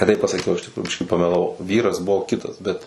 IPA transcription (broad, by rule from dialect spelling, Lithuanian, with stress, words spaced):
nʲɛ ˈtɐɪp pɐsɐˈkʲɛʊ ɪʃ tʲɪkˈruːjʊ ˈbʲɪʃʲkʲiː pɐmʲɛlˠɐˈʋɐʊ ˈʋʲiːrɐs ˈbʊʋoː ˈkʲɪtɐs bʲɛt